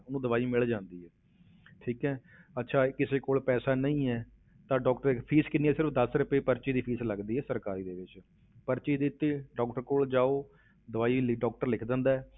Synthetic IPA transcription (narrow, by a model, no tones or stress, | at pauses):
ʊnũːd̪əʋaːiːmɪld͡ʒãːnd̪iːɛː | ʈʰiːkɛː | ətːʃʰaːkɪseːkoːlpɛːsaːnəĩːɛː | t̪ãːɖɔːkʈəɾpʰiːskɪnːiːɛːsɪɾəfʰd̪əsɾʊpiːpəɾt͡ʃiːd̪iːpʰiːsləɡd̪iːɛːsəɾkaːɾiːd̪eːʋɪt͡ʃ | pəɾt͡ʃiːd̪iːt̪ːeːɖɔːkʈəɾkoːld͡ʒaːoː | d̪əʋaːiːlɖɔːk̚ʈəɾlɪkʰd̪ə̃nd̪aːɛː